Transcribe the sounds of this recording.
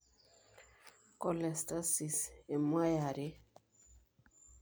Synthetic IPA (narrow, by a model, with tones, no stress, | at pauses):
kɔ˨lɛ˨sta˦si˨se˨mwa˦ja˨ɾe˦